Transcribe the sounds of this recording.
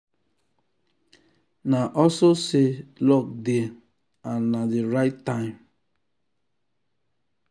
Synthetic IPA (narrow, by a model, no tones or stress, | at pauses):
naʔɔsoselɔk̚de | anːadeɾaɪtːãɪ̃m